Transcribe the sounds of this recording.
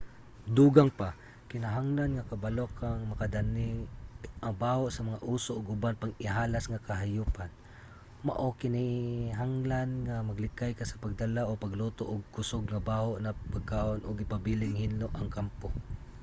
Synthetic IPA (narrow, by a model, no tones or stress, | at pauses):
d̪uːɡaŋpa | kɪnɐɦaŋlanŋakɐbalokaŋmɐkad̪anɪ | ʔaŋbaːhoʔsɐmɐŋaʔuːsoʔːɡʊbanpaŋɪɦaːlasŋakɐɦajuːpan | ma̰ʔokɪnɪɦaŋlanŋamaɡlɪkajkasɐ̥paɡ̚d̪alaʔopaɡlot̪oʔʊɡ̚kʊsoɡŋabaːhoʔnɐpaɡ̚kaːʔonʔʊɡɪpabilɪŋhɪnloʔɐŋkampo